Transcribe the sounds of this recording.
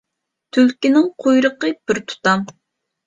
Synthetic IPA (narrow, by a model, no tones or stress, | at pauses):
t̪ʰylkʲinɪŋqʰojɾəqəb̥ɪɾt̪ʰu̥t̪ɑm